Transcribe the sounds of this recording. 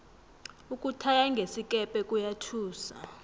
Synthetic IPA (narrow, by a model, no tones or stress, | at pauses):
ukʼutʰajaŋɡʱesik̬ʼɛpʼɛkʼujatʰuːsa̰